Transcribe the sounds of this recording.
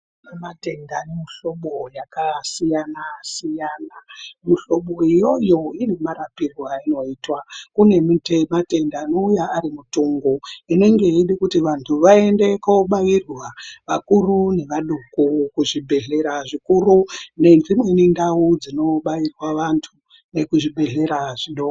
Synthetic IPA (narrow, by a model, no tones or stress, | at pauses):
namate̞ndanemiɬo̞ɓojakasijanasijaːnamuɬo̞ɓo̞ijo̞jo̞irimaɾapirwaino̞iːtwakune̞mutemate̞ndaːno̞ujaːɾimutuŋɡoine̞ŋɡe̞iɗikutiʋantʰuʋae̞nde̞koɓajirwaʋakurune̞ʋaɗukukuʐibʱe̞ɮe̞ɾaʐikurune̞nd͡zimwenindaud͡zino̞ɓajirwaʋantʰu | ne̞kuʐibʱe̞ɮe̞ɾaʐ̥iɗo